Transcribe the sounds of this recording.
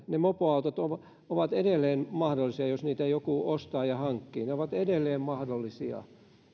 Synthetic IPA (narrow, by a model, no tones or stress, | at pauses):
nemopoɑut̪ot̪oʋ | oʋɑt̪edelːˑeːnmɑhdolːˑisiɑjosniːt̪æjokuost̪ɑːjɑhɑŋkːḭːneoʋɑt̪edelːeːmmɑhdolːisiɑ̰